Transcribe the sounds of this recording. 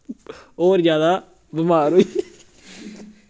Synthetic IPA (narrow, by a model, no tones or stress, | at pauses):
oːɾzjaːd̪aː | bɪmaːɾoi